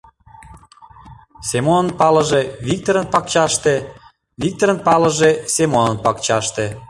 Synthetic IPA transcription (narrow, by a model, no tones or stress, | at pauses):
semonənpɑləʒeβik̚t̪oɾənpɑk̚t͡ɕɑʃt̪e | βik̚t̪oɾənpɑləʒesemonənpɑkt͡ɕɑʃt̪e